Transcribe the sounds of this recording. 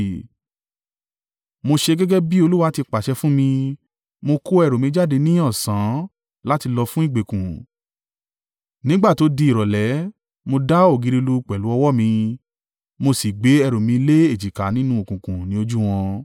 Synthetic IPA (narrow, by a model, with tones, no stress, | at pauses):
mo˧ʃe˧ɡɛ˦ɡɛ˦bi˦o˧lu˦wa˧˦ti˧k͡pa˨ʃɛ˧fũ˦mĩ˧ | mo˧ko˦ɛ˧ɾo˨mĩ˧˦d͡ʒa˦˨de˧nĩ˦ɔ̃˦˨sã˨˦ | la˦ti˧lɔ˧fũ˦i˦˨ɡ͡be˨kũ˨ | nĩ˦ɡ͡ba˦˨to˨˦di˧i˨ɾɔ˨lɛ˨˦ | mo˧da˦o˦˨ɡi˧ɾi˧lu˧k͡pɛ˨lu˨˦ɔ˧wɔ˦mĩ˧ | mo˧si˨ɡ͡be˨˦ɛ˧ɾo˨mĩ˧le˦e˦˨d͡ʒi˨ka˨˦nĩ˦nũ˦o˨kũ˨kũ˨nĩ˨˦o˧d͡ʒu˦w̃ɔ̃˧